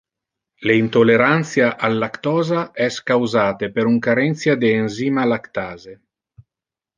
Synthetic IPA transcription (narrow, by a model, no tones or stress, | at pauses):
leint̪olːeɾant̪sjaʔalːakt̪ɔːzaʔɛskawzaːt̪epeɾuŋkaɾɛnt̪sjad̪eːnziːmalakt̪aːze